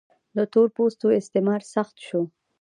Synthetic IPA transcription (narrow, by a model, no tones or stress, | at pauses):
d̪ət̪oɾpost̪oɪst̪emɑɾsaxt̪ʃo